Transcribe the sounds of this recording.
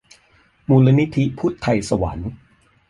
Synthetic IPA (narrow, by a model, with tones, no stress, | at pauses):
muː˧la˧ni˦˥t̪ʰi˦˥pʰuː˦˥˩t̪ʰːa˧jsa˧wa̰˩˦n